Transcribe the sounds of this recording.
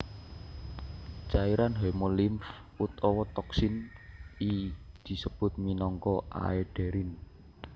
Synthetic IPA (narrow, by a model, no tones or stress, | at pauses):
t͡ʃaiɾanɦɛmolɪmf | ut̪ɔwɔt̪ɔksɪnid̪̥i̤səb̥ʊ̤t̪̚minɔŋkɔʔa̰ɛɖ̥ɛ̤ɾɪn